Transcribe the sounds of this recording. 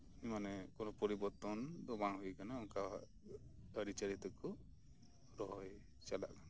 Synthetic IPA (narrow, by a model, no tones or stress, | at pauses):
imanɛkɔnɔpɔɾibɔɾt̪ɔnd̪ɔbaŋɦukanauŋka | əɾit͡ʃəɾit̪ɔkɔ | ɾɔɦɔj | t͡ʃala̰ʔkana